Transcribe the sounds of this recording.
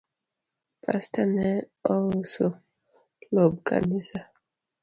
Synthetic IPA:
pʰa̰stʰanɛɔlso | lob̚kʰa̰nisa

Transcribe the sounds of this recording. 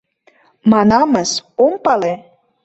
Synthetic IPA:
mɑnɑməsompɑle

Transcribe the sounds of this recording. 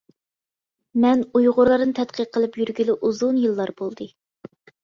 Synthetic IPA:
mɛnujʁʊɾlˠɑɾnɨt̪ʰɛt̪qʰəqʰːəlˠɨpjyɾɡʲylɪʔuzunjɨlˠːɑɾbolˠd̪ɨ

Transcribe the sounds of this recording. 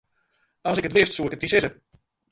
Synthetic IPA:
ɔsɪkətʋɪstsuɪkət̚isɪzə

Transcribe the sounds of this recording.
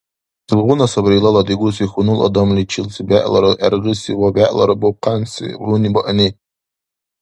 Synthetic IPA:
sɨlʁʷʊnasabɾilaladiɡʷʊsiχʊnɨla̰damlit͡ʃʰɪlsbaʔʼlaɾɨʔa̰rʁɨsiwabaʔʼla̰ɾɨboqʰansḭʁʷunibaʔane

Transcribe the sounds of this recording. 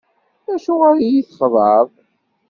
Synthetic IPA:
æʃʊʁaɾjiθχðˤəðˤ

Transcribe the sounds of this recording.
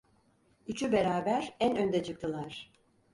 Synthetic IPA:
yt͡ʃʰybe̞ɾaːbæɾænø̞nd̪ɛt͡ʃʰɯk̚t̪ʰɯlˠaɾ̥

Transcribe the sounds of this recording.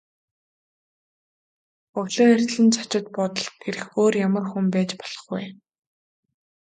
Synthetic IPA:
ʊɣɮoːer̥ʲt̪ɮɘ̆nt͡sʰḁt͡ɕɪ̆t̪̚pɔt̪ɞ̆ɮt̪̚ɡeɾɘ̆xoːrjamə̆rxumpæːt͡ɕpɔ̥ɮ̥ɞ̥̆χɡuj

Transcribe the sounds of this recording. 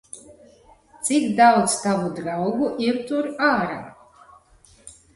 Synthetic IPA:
t̪sikd̪awt̪st̪avud̪ɾawɡuʔiɾt̪uɾaːɾa̰

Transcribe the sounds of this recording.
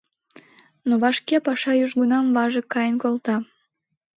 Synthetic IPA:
noβɑʃkepɑʃɑjyʃɡunɑmvɑʒəkːɑjənkolt̪ɑ

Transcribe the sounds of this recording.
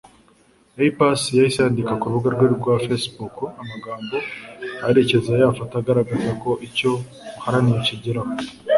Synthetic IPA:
eipasijaisaːndikakuɾβuɡaɾɡweɾiɾɡwafesbukuamaɡaːmbo̞aɾe̞ce̞zajafataɡaɾaɡazako̞ʔico̞ | uhaɾanijeciɟiɾaho

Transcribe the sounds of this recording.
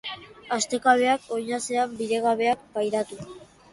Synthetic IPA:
ast̪e̞kaβe̞akʰo̞jɲase̞ambiðe̞ɣaβe̞ak̚pajɾat̪u

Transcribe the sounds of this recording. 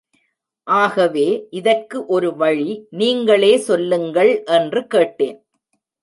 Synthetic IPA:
ʔaːɣɐʋeːʔɪðɐrkːɯʔɔɾɯʋɐɻiniːŋɡɐɭeːsɔlːɯŋɡɐɭʔɛndrɯkeːʈːeːn

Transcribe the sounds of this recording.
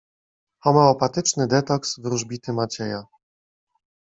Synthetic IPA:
xɔmɛɔpat̪ɘt͡ʂnɘd̪ɛt̪ɔksvɾuʐbʲit̪ɘmat͡ɕɛja

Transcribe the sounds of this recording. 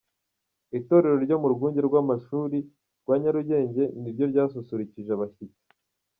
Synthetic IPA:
ito̞ɾe̞ɾo̞ɾɟo̞muɾuɡuːɲɟe̞ɾɡwamaʃuːɾi | ɾɡwaːɲaɾuɟe̞ːɲɟe̞niɾɟo̞ɾɟaːs̬usuɾiciʒeaβaçit͡si̥

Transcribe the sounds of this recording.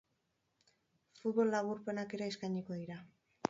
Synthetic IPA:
fut̪̚βo̞lːaβuɾpenakeɾaeskaɲikoðiɾa

